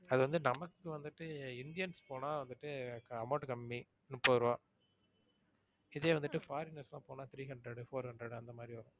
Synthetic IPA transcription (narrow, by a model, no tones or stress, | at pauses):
ɐðɯʋɐnd̪ɯnɐmɐkːɯʋɐnd̪ɯʈːɯɪnd̪ɪjɐnspoːnaːʋɐnd̪ɯʈːɯkɐmɐːʈkɐmːi | nɯpoːɾɯʋãː | ɪðeːʋɐnd̪ɯʈːɯfaːɾinɐɾslãːpoːnaːt̪ʰɪɾiːɦɐɳɖɾɛɽfoːɾhɐɳɖɾɛɽɐnd̪ɐmaːd̪ɾiʋɐɾõː